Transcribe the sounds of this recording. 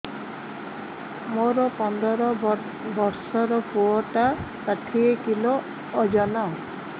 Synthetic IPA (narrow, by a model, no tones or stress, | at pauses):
moɾɔpɔnd̪ʱɔɾɔ | bɔɾsɔɾɔpʰuɔʈakaʈʰiekiloː | d͡ʒɔnɔ